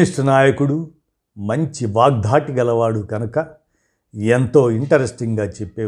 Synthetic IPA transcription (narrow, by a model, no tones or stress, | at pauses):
iʂʈɐnaːjɐkuɽu | mɐɲt͡ʃiʋaːɡ̚d̪ʱaːʈiɡɐlɐʋaːɽuɡɐnɐkɐ | ent̪o̞ːiɳʈɐɾesʈiŋɡaːt͡ʃepːeː